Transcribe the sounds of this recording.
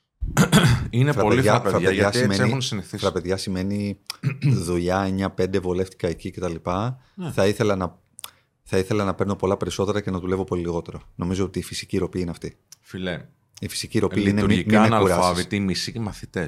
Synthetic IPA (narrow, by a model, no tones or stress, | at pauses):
inefɾɐoliɐɐpeɾɐeðʝɐsmeseixunsiniθifɾɐpe̞ðʝɐsime̞ni | ðuʎɐɲɐpe̞nd̪evole̞ft̪i̥kɐecice̞t̪ɐlipɐ | θɐiθelɐnɐ | θɐiθe̞lɐnɐpe̞ɾno̞po̞lɐpe̞ɾiso̞t̪e̞ɾɐcenɐðule̞vo̞po̞liliɣo̞t̪e̞ɾono̞mizo̞ot̪iːfisi̥ciɾo̞piineɐft̪i | file | ifi̥siciɾo̞iineuɾimimenɐluɾɐsɐvit̪imisicimɐθit̪es